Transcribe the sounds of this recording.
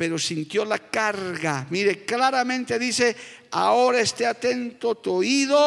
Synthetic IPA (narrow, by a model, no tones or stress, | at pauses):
peɾosint̪jolakaɾɣamiɾeklaɾamẽnt̪eðiθe | aoɾaest̪eat̪ent̪ot̪oiðo